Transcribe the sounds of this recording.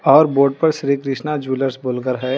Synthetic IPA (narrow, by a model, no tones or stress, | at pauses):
ɔːɾboːɾɖ̚pɐɾʃɾiːkɾɪʃnad͡ʒuːləɾsboːlɡəɾɦɛː